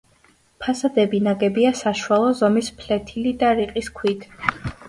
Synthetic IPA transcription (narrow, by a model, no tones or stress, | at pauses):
pʰasad̪ɛbinaɡɛbiasaʃwalˠɔzɔmispʰlɛt̪ʰilid̪aɾiqʼiskʰwid̪ʰ